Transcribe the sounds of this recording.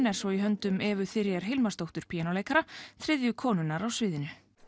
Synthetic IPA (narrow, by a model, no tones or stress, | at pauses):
nɛɾ̥svɔiɦœnt̪ʏmɛːvʏθɪɾjɛɾ̥ɦɪlmast̪owht̪ʏɾ̥pʰijanowleːjkaɾaθɾɪðjʏkʰɔːnʏnaɾawsvɪːðɪnʏ